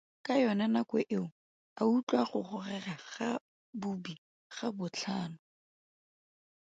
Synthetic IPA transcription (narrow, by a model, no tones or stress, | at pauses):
kʼajɔnanakwɛʔɪʊ | aut͡ɬʼwaχʊχʊrɛraχa | bubi | χabʊt͡ɬʰaːnʊ